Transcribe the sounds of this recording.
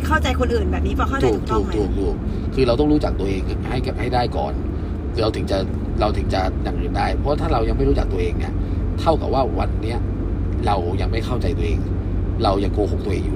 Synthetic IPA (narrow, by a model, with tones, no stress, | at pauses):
kʰa˥˩wt͡ɕa˧jkʰo˧nʔɯː˨˩nbɛː˨˩p̚ni˦˥pʰɔː˦˧˥ɔ˥˩t̪ʰːk̚t̪ʰːkt̪ʰuː˨˩k̚t̪ʰuː˨˩k̚ʰː | ɯː˧ɾa˧wt̪ɔ˥˩ŋɾuː˦˥t͡ɕa˨˩k̚t̪u˧ɐʔeː˧ŋ | ha˥˩jha˥˩jdaː˥˩jkɔ̰ː˨˩n | ɾa˧wt̪ʰɯ˩˦ŋt͡ɕa˨˩ʔ | ɾa˧wt̪ʰɯ˩˦ŋt͡ɕa˨˩ja˨˩ŋʔɯː˨˩ndaː˥˩jpʰɔ˦wa˥˩t̪ʰaː˥˩ɾa˧wja˧ŋma˥˩jɾu˦˥t͡ɕa˨˩k̪̚ɐʔeː˧ŋnḭ˥˩ | t̪ʰa˥˩wka̰˨˩p̚waː˥˩wa˧nːi˦˥ɐ | ɾa˧wja˧ŋma˥˩jxʰa˥˩wt͡ɕa˧jt̪u˧ɐ˧ʔeː˧ŋ | ɾa˧wja˧ŋkoː˧ho˨˩k̚t̪u˧ɐ˧ʔeː˧ŋjuː˨˩